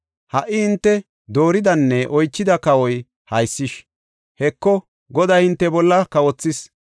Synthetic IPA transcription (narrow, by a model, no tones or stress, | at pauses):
hɐʔːɪhɪnt̪ːɛ | d̪o̞ːɾɪd̪ɐnːɛʔɔjt͡ʃːɪd̪ɐkɐwɔj | hɐjsːɪʃ | hɛkːɔ | ɡɔd̪ɐjhɪnt̪ːɛbɔlːɐkɐwɔt͡sːɪs